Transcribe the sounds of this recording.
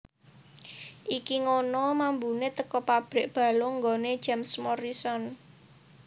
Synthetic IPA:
ʔikiŋonɔmambunet̪əkɔpab̥ɾɪ̤ʔb̥ä̤loŋɡone̥d͡ʒ̥ɛmsmɔɾisɔn

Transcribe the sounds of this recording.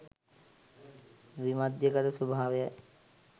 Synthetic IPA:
ʋimad̪jəkət̪əsubʱaːʋejə

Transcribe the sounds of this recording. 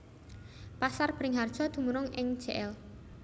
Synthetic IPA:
pasarb̥ɾɪŋɦard̥ʒ̥ɔ̤d̪̥ṳmuɾʊŋɪŋ̥d͡ʒ̥eʔɛl

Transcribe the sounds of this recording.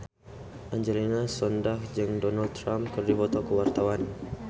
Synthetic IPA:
ʔaɲd͡ʒɛlinasɔndahd͡ʒɨŋdɔnald̪̚t̪ːɾamkərdibɔt̪ɔkəwart̪awan

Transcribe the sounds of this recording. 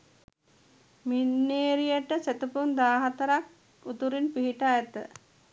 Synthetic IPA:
minːeːɾijəʈəset̪əpund̪aːɦat̪əɾak | ut̪uɾinpiɦiʈajət̪ə

